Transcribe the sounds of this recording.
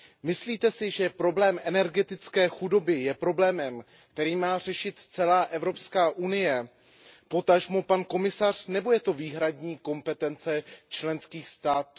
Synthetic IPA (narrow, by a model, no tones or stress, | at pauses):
mɪsliːt̪ɛsɪʒɛpɾo̞blɛːmʔɛnɛɾɡɛt̪ɪt͡skɛːxudo̞bɪjɛpɾo̞blɛːmɛm | kt̪ɛɾiːmaːr̝ɛʃɪt̪t͡sɛlaːʔɛvɾo̞pskaːʔunɪjɛ | po̞t̪aʒmopanko̞mɪsar̝̥nɛbo̞jɛt̪o̞viːɦɾadɲiːko̞mpɛt̪ɛnt͡sɛt͡ʃlɛnskiːxst̪aːt̪